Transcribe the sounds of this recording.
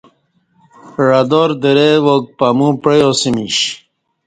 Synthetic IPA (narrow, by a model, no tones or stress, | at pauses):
ɻad̪oɾd̪eɾewok̚pamũpejosimiɕ